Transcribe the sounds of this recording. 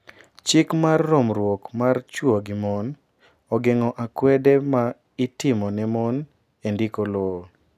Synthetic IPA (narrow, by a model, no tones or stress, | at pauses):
t͡ʃɪkmarːɔmɾwokmart͡ʃwoɡɪmɔn | ɔɡɪŋɔʔakwɛdɛma | ɪtɪmɔnɛmɔn | endikolo